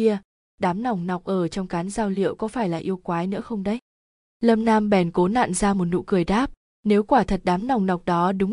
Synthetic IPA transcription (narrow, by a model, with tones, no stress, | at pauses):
i˧ə | ɗaː˨˦mna˨˩wŋ͡mna˨˩wk͡p̚ʔəː˧˩t͡ɕɔ˧wŋ͡mkaː˨˦nzaː˧wlḭ˧˨əwkɔ˨˦faː˧˩jla̰ː˨˩ʔi˧əwwkwaː˨˦jnɨ̰˧˥əxə˧wŋ͡mɗə˨˦j | lə˧mnaː˧mɓɛ˧˨˩nko˨˦na̰ː˧˨nzaː˧mo˨˩t̚nṵ˧˨kɨ˨˩əjɗaː˦˥p̚ | ne˨˦wkwaː˧˩t̪ʰə˨˩t̚ɗaː˨˦mna˨˩wŋ͡mna˨˩wk͡p̚ɗɔ˨˦ɗɨ˨˦ŋ͡m